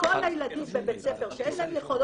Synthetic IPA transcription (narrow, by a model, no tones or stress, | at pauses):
olajlad̪imbebet͡sefeʁʃeenlaemjeχol